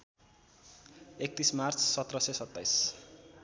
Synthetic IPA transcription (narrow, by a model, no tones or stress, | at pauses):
ek̚t̪ismart͡sʰsʌt̪rʌsesʌt̪ːajs